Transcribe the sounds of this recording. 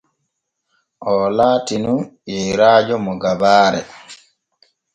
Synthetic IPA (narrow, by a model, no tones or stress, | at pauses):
ʔɔlaːtinujɛɾaːd͡ʒɔmɔɡabaːɾɛ̰